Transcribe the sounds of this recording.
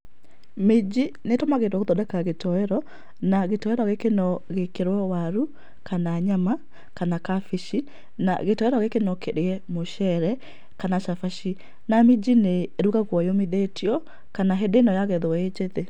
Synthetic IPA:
med͡ʒinetɔmaɣedwaɣoðɔdakaɣetɔɛɾɔ | naɣetɔɛɾɔɣekenɔɣekeɾwɛwaɾu | kanaːɲama | kanakafiʃi | na̰ɣetɔɛɾɔɣekenɔkeɾeɛmoʃɛɾɛ | kanaʃafaʃi | namid͡ʑineɾuɣaɣwɔjomeðetiɔ | kanaɦedeːnɔjaɣɛðoɛed͡ʒeðe

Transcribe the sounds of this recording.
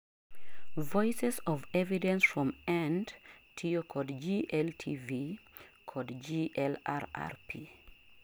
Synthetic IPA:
vɔɪsɛsɔvɛvidɛ̃nsfɹɔ̃mɛ̃ndtʰiokʰɔdd͡ʒiʔɛltʰivi | kʰɔdd͡ʒiʔɛla̰ɹa̰ɹpʰi

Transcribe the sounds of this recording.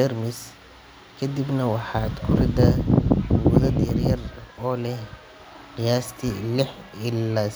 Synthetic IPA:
ɛrmɪs | kʰɐd̪ibnɐwɑħɑːd̪kʰʊrɪd̪a | wʊðɐd̪jɐrjɐrɔːlɛh | qijaːst̪ʰilɪħɪlːaː

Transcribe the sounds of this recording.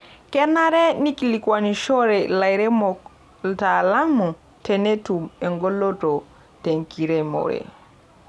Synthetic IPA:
kɛnaɾɛnikilikwaniʃɔɾɛlajɾɛmɔk | ltalamu | tɛnetumɛŋɡɔlːɔtɔ | teŋkiɾɛmɔ̰ɾɛ̰

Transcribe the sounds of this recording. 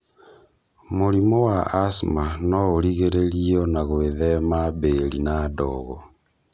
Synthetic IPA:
moɾimowaasmanɔoɾiɣeɾeɾiɔnaɣweðɛmaβelinadɔɣɔ

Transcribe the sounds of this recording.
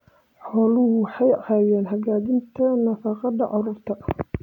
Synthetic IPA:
ħɔːlʊhʊwħɑjɐhaːjɛːnɦɐɣaːdɪnt̪ʰɐnɐfɑːqɑd̪ɐʕʊɾʊrt̪ʰɐ

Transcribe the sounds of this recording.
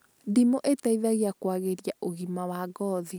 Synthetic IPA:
dimoʔetaiðaɣeakwaɣeɾjaʔoɣimawaɡɔːði

